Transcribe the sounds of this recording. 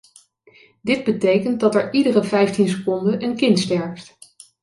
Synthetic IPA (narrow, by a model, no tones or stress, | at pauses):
dɪd̚bətejkənt̚dɑtɛɹʔidərəvɛjftinsə̥kɔndəʔənkɪntstɛɹft